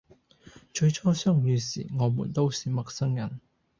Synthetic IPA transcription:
t͡ʃɵ˧ɥt͡ʃʰɔː˥sœː˥ŋjyː˨˧sḭː˨˩ŋɔː˨˧mṵː˨˩nt̪o˥wsiː˨mɐ˨k̚sɐ˥ŋjɐ˨˩n

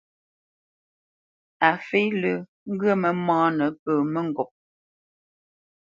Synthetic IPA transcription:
a˨fe˦lə˨ | ŋ̩˦ɡɰə˦mə˨mãː˦nə˨˦pəː˨mə˦ŋ˨ɡɔ˨p̚

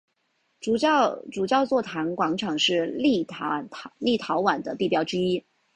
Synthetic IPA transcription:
u˨˩˥ʈ͡ʂu˨˩t͡ɕjɑ˥˧ʊt͡swɔ˥˩t̪ʰa˧˥nkwɑ˧˥ŋʈ͡ʂʰɑ˨˩ŋʂɻ̩˥˧li˥˩ | li˥˩t̪ʰɑ˧˥ʊwa˨˩nd̪ə˦t̪i˥˩pjɑ˧˥ʊʈ͡ʂɻ̩˥i˥

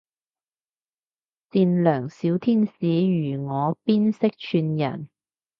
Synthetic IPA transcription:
t͡siː˧nlœː˨˩ŋsiː˨˥wt̪ʰiː˥nsiː˨˥jyː˨˩ŋɔː˨˧piː˥nsɪ˥k̚t͡ʃʰyː˧njɐ̰˨˩n

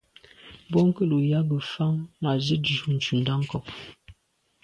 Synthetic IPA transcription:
bɔ˦ŋ̩˦kə˦˨lu˨ja˦ɡə˨fa˦ŋma˨zə˦di˨ʃu˦˨n̩˨t͡ʃu˨n˨da˦ŋ̩˦kɔ˨p

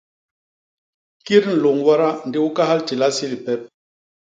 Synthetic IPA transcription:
ki˦ɾn̩˨lo˨ŋwa˦ɾa˦n̩˨de˦u˦ka˦ha˦lti˨la˦si˦li˨pɛ˦p̚

